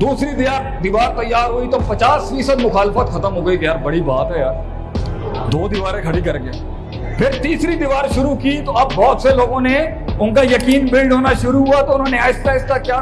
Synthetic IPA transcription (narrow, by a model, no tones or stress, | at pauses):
d̪uːsɾid̪iʋaːɾd̪iʋaːɾt̪ɐjːaːɾɦoit̪opɐt͡ʃaːsfiːsəd̪mʊxaːlfət̪xɐt̪əmɦoːɡəikjaːɾbɐɽibaːt̪ɦɛjaːɾ | d̪oːd̪ɪʋaːɾẽkʰɐɽikɐɾɡeː | pʰɪɾt̪iːsɾid̪iʋaːɾʃʊɾukit̪oɐbːɔːt̪seloːɡõne | ʊnkajɐkiːnbɪlɖɦoːnaʃʊɾuɦuat̪oʊnɦõːneɐɪskaɪskakjaː